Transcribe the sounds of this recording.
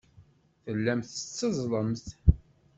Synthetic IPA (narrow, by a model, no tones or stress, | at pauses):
θəlːæmθət͡sːəzˤlˤəmθ